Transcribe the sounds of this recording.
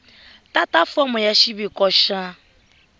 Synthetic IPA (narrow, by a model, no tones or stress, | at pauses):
tatafɔmʊ̃jaʃibikɔʃã